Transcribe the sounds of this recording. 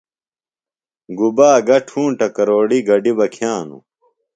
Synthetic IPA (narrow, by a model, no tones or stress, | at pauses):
ɡubaːɡɐʈʰũːʈɐkɐɾoːɽiɡɐɖibɐkʰjãːnṵ